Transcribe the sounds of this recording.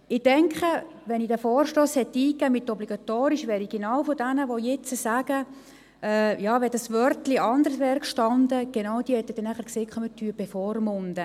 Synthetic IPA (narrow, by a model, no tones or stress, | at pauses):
ɪd̥ɛŋkχə | ʋɛnidæfɔːrʃtoːshɛtːiːkːæːmɪtːɔbliɡ̥ɑt̪oːɾiʃʋɛːɾiɡ̥enɑwfɔdænəʋojɛt͡səsæɡ̥ə | ʔɛːjɑːʋɛdɑsʋœɾtliʔɑnd̪əɾsʋɛːɾkʃtɑnd̪əɡ̥enɑʊd̥iːhɛt̪ːəd̥ɛnæχəɾkseːkχœmətʰːyːəb̥efɔːrmʊnd̥̪ə